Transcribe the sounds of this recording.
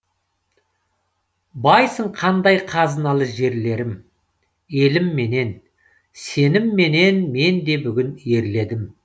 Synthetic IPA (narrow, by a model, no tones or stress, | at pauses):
bɑjsəɴqʰɑnd̪ɑjqʰɑzənɑlˠəʒe̞ɾle̞ɾɪm | e̞lɪmːe̞ne̞n | se̞nɪmːe̞ne̞nme̞nd̪e̞bʏɡʲɪne̞ɾle̞d̪ɪm